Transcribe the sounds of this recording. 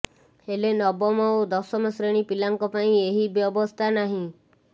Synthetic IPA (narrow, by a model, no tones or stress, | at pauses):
helenɔbɔmɔod̪ɔsɔmesɾeɽ̃ipilaŋkɔpaĩeɦibjɔbɔst̪ʰanaɦĩ